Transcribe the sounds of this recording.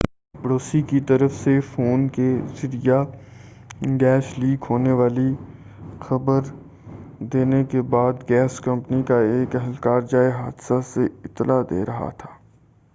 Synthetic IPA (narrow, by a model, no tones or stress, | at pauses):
pəɽoːsikit̪ɐɾəfsefoːnkezɪɾija | ɡɛːʃliːkɦoːneʋaːli | xɐbəɾ | d̪eːnekebaːd̪ɡɛːskɐ̃mpnikaeːkɛɦəlkaːɾd͡ʒaːeɦaːd̪saseɪt̪ːəlad̪ḛːɾɐɦa̰t̪ʰḁː